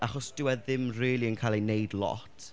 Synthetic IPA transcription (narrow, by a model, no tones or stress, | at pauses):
aχɔsd̥ɪwɛðɪmriːlˠiənkʰalˠenejdlˠɔ̰tʰ